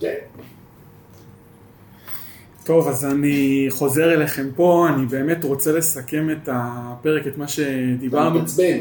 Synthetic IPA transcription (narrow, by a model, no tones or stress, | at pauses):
ke | to̞vazaniχo̞ze̞ʁeleχe̞mpo̞anibe̞ːme̞tʁo̞t͡sele̞sake̞me̞tape̞ʁeke̞tmaʃe̞dibaʁnu